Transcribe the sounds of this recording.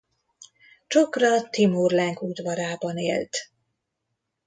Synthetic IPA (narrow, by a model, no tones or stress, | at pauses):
t͡ʃokrɒt̪imurlɛŋkud̪vɒɾaːbɒnḛːlt̪